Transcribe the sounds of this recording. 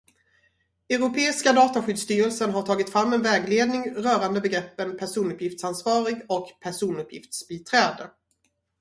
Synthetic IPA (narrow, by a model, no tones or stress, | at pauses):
ɛɾʊpʰeːɪskad̪ɑːt̪aɧʏd̪st̪yːɾəlsənɦaʈʰɑːɡɪt̪fɾamːɛnvɛːɡleːd̪nɪŋɾœːɾand̪əbɛɡɾɛpːənpʰæʂuːnɵpjɪft̪sansvɑːɾɪɡɔkpʰæʂuːnɵpjɪ̰ft̪sbiːt̪ʰɾɛːd̪ə